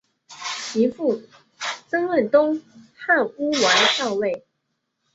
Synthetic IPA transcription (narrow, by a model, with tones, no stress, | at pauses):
t͡ɕi˧˥fu˥˩ | t͡sə˥ŋwə˥˩nt̪ʊ˥ŋha˥˩nu˥wa˧˥ɪt͡ɕɑ˥˧ʊwe˥˩ɪ